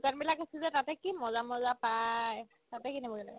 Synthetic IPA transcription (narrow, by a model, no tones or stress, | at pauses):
kanbilakasizɛtatɛkimɔzamɔzapaj | tatɛkinɛbɔɡɛlaɡɛ